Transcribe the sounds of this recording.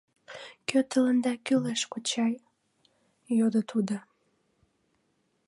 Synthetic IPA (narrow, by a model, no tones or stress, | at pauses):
køt̪ələnd̪ɑkyleʃkot͡ɕɑj | jod̪ət̪ʰud̪ə